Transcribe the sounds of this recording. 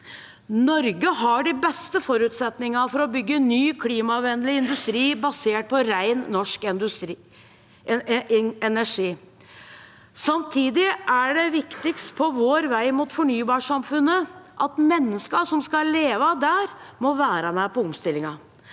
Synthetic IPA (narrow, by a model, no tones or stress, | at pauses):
nɔɾɡəɦɑɖɪbɛst̪əfɔɾʉt̪sɛt̪nɪŋɑfɔɾɔbʏɡːənyːkʰliːmɑʋɛnlɪɪnd̪ʉst̪ɾiːbɑseːʈ̚pʰɔɾæɪnːɔʂk̪ | ɛnæʂiː | sɑmt̪ʰiːd̪ɪʔæɖɛʋɪkt̪ɪkst̪̚pʰɔʋoːɾʋæɪmut̪fɔɳyːbɑːʂɑmfʉnːəʔɑt̪mɛnːəskɑʂɔmskɑleːʋəd̪æːɾmɔʋæːɾəmæpɔɔmst̪ɪlːɪŋɑ